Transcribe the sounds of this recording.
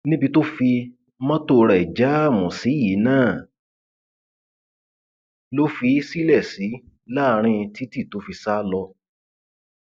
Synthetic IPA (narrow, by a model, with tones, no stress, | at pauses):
nĩ˦bi˧to˦fi˧ | mɔ̃˦to˧ɾa˨i˨d͡ʒa˨˦˨mũ˨si˨˦ji˨˦nãː˦˨ | lo˦fi˧˦si˦lɛ˦˨si˨˦ | la˦˧ɾ̃ĩ˧ti˦ti˦˨to˨˦fi˧sa˦lɔ˧